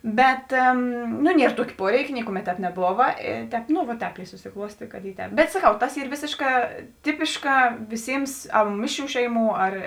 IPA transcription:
ˈbʲɛt nʊ ˈnʲiɛr ˈtuɔkʲeː ˈpuɔrʲɛɪkʲeː ˈnʲɪkʊˌmʲɛt ˈtʲɛːp nʲɛˈboːʋɐ ɪ ˈtʲɛːp nʊ ʋɐ ˈtʲɛːp ɪ sʊsʲɪˈklˠuɔsʲtʲeː kɐt ˈiː ˈtʲɛːp bʲɛt sɐˈkɐʊ ˈtɐs ˈiːr ˈʋʲeːsʲeːʃˌkɑː ˈtʲɪpʲɪʃkɑː ˈʋʲɪˌsʲɪms ˈmʲɪʃʲˌrʲuː ˈʃʲɛɪˌmuː ˈɐr

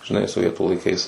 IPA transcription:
ʒʲɪˈnɐɪ soːˈʋʲiɛtuː lˠɐɪˈkɐɪs

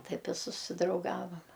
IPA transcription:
ˈtɐɪp ɪ sʊsʲɪdrɐʊˈɡɑːʋɐm

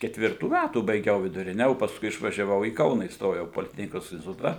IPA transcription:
kʲɛtʲˈʋʲɪrtuː ˈmʲætuː bɐɪˈɡʲɛʊ ʋʲɪdʊˈrʲɪnʲɛ oː pɐsˈkʊɪ ɪʃʋɐʒʲɛˈʋɐʊ iː ˈkɐʊnɑː iːsˈtoːjɛʊ poːlʲɪˈtʲæːxʲnʲɪkoːs ɪnʲsʲtʲɪˈtʊtɐ

